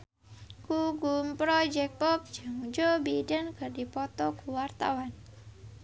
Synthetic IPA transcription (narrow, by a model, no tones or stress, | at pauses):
kuɡumpɾɔd͡ʒɛk̚pɔp̚d͡ʒɨŋd͡ʒobidənkɨrdipɔt̪ɔkuwart̪a̰wan